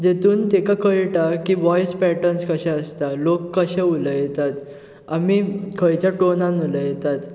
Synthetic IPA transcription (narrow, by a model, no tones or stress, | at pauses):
d͡ʑet̪uːnt̪ekakʰəɭʈakiʋɔjspɛʈənskəɕɛ̃əst̪alokːəɕɛuləjet̪at̪ | amikʰəjt͡ɕjaʈonãnuləjet̪at̪